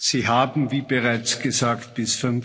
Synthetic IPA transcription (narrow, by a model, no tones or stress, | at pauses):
z̥iːɦaːbm̩viːbəʁaɪt͡sɡ̥əzaːkt̚b̥ɪsfʏn